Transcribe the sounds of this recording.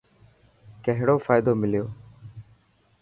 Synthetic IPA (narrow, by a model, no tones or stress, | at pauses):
kəɦɽoːfaːɪd̪oːmɪljoː